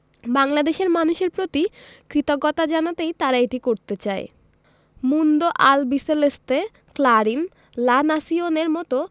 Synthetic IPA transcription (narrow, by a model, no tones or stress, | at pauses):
baŋlad̪eʃeɾmanuʃeɾpɾot̪ikɾit̪oɡːɔt̪ad͡ʑanat̪ejt̪aɾaeʈikoɾt̪et͡ɕae | mund̪oʔalbiseleste | klaɾin | lanasioneɾmɔt̪o